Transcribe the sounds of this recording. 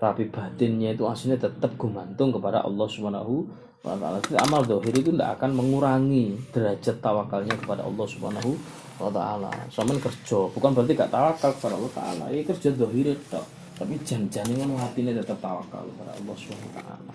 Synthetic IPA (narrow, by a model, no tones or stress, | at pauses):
ɾapib̥at̪ɪnɲait̪uasuɲat̪ət̪əp̚ɡ̥ṳmant̪ʊŋkəpada̰ʔɑ̰lːɔhsubana̰ɦu | wa̰t̪a̰a̰lat̪t̪a̰malðɔɦɪɾit̪unda̰ʔa̰kanməŋuɾaŋid̪̥əɾad͡ʒat̪ːawakalɲakəpada̰ʔɑ̰lːɔhsubha̰naɦu | wat̪a̰ʔa̰la̰samankərd͡ʒ̥ɔb̥ukanbəɾəlt̪̬iŋɡaʔt̪awakalkə̥padaʔɔlːɔht̪a̰ʔa̰la̰ikər̥d͡ʒ̥ɔðɔɦiɾɪt̪ɔ̰ | t̪api̥d͡ʒand͡ʒanɪŋanaɦat̪inat̪ət̪əp̚t̪awa̰ka̰lkəpada̰ɑ̰lːɔhsubanwut̪a̰ʔa̰la